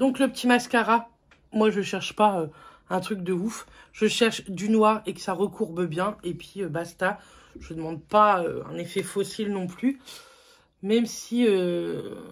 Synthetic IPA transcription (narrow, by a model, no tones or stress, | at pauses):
d̪ɔ̃kləpət̪ʰimaskaʁa | mwaʒəʃɛʁʃpaø | ɛ̃t̪χyk̚d̪əuf | ʒ̥əʃɛʁʃd̪ynwaʁekə̥saʁəkʰuʁbəbjɛ̃epɥiøbast̪a | ʒəd̪əmɑ̃d̪̚paøɛ̰̃nefɛfɔsilnɔ̃ply | mɛmsiø